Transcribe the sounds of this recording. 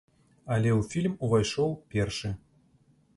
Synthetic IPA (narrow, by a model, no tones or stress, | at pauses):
alʲeufʲilʲmuvɑjʃolˠpʲerʃɘ̆